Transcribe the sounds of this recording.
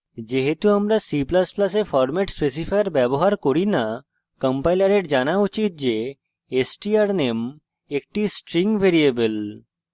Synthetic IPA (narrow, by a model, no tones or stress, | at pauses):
d͡ʑeɦet̪uamɾasiplasplasefʰɔɾmeʈspes̬ifʰajɾbɛboɦaɾkoɾina | kəmpajlaɾeʈd͡ʒanaut͡ɕit̪̚d͡ʑe | esʈiaɾnem | ek̚ʈisʈɾiŋbʱeɾiebel